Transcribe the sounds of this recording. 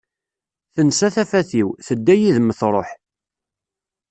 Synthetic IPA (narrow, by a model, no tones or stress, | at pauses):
θənsæθæfæθiwθəd̪ːæjiðməθɾˤo̰ħ